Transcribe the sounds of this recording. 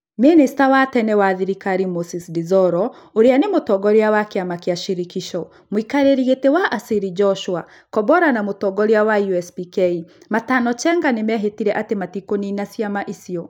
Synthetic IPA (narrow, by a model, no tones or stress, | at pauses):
menistawatɛnɛwaðiɾikaɾimosisdizɔɾɔoɾeanemotɔɡɔɾeawakeamakeaʃiɾikiʃɔ | moikaɾeɾiɣetewaʔasiɾid͡ʒɔʃwa | kɔbɔɾanamotɔɡɔɾeawaiuɛspikɛi | matanɔt͡ʃɛŋɡanemɛɦetiɾɛʔatematikoninasjamaʔisiɔ